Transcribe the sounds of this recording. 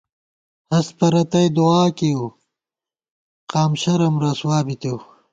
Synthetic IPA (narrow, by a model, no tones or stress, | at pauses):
hɐspɐɾɐt̪ɐjd̪uaːkew | qaːmɕɐɾɐmɾɐswaːbit̪ew